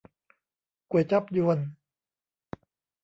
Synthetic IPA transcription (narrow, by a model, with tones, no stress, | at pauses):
ku˨˩ət͡ɕa˦˥p̚ju˧ən